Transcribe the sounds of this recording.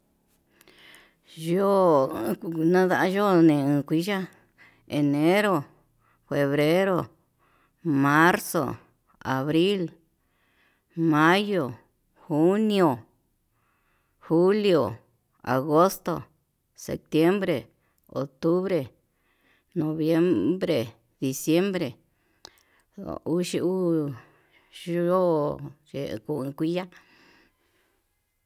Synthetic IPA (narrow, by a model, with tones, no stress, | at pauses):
joː˦˧ | nã˦ða˦˧ʔa˦ʒo˦nẽ˨ɨ̃˨˧kʷi˦ʒa˦ | e˨nẽ˦ɾo˨ | fe˨βɾe˦ɾo˨ | mã˦ɾso̰˨ | a̰˨βɾi˦l | mã˦jo˨ | xu˦nj̃o˨ | hu˦ljo˨ | a̰˨ɣo˦st̪o˨ | sḛ˨p̚t̪je˦mbɾe˨ | o̰˨t̪u˦βɾe˨ | nõ˨βje˦mbɾe˨ | ði˨sje˦mbɾe˨ | u˦ʃi˧u˦ | ʒo˦ʒḛ˨˧ku˧˨ɨ̃˧kʷi˦ja˦